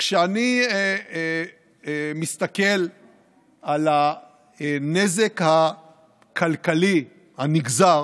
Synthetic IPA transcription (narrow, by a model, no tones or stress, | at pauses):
kʃeani | mist̪ake̞l | ala | nezekha | kʰalkali | haniɡzaʁ